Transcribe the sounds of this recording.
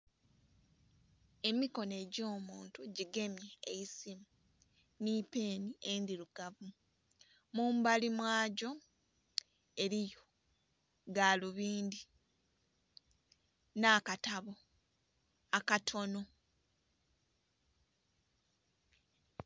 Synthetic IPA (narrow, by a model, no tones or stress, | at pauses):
e̞miko̞ne̞ɟo̞ːmuːntuɟiɡe̞mjeːisimu | niːpe̞ːniendiɾuɡ̥avu | muːmbalimwaːɟo̞ | e̞ɾijo | ɡaːluβiːndi | naːkataβo̞ | akatʰo̞no̞